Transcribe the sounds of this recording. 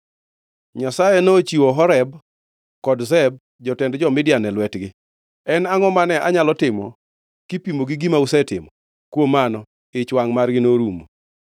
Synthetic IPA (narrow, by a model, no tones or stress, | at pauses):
ɲasajɛnot͡ʃiwoɦɔɾɛb | kɔdzɛb̚ | d͡ʒɔtɛndd͡ʒɔmɪdjanɛlwɛtɡɪ | ɛnaŋɔmanɛʔaɲalɔtɪmɔ̰ | kipimoɡɪɡimausɛtɪ̰mɔ | kwomanɔ | ɪt͡ʃwaŋmarɡɪnoɾumo̰